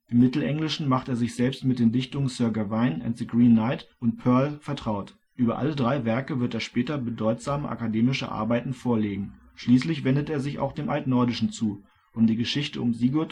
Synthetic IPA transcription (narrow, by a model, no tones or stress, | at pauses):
ʔɪmːɪtl̩ʔɛŋlɪʃn̩maχteːɐzɪçz̥ɛlpstmɪt̚d̥eːndɪçtʊŋənsœːɐɡavaɪnɛ̰ntzəɡʁiːnːaɪtʔʊnt̚pʰœɐlfɛɐtʁ̥aʊt | ʔyːbɐʔa̰lədʁaɪvɛɐkəvɪɐteːɐʃpɛːtɐbədɔʏtz̥aːməʔa̰kadeːmɪʃə̰ʔa̰ɐbaɪtn̩foːɐleːɡŋ̩ | ʃliːslɪçv̥ɛndəteːɐzɪça̰ʊxd̥eːmʔaltnɔɐdɪʃn̩t͡suː | ʔʊmdiːɡəʃɪçtəʊmziɡɔt